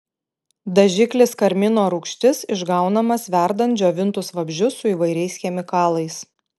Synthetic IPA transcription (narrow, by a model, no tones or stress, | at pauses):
d̪ɐʒʲɪklʲɪskɐɾʲmʲɪnoːɾuːkʃʲt̪ʲɪsɪʒɡɑˑʊnɐmɐsʋʲæˑɾd̪ɐnt̪̚d͡ʒʲoːʋʲɪnt̪ʊsʋɐbʲʒʲʊsʊiːʋɐɪɾʲɛɪsxʲɛmʲɪkɑːlˠɐɪs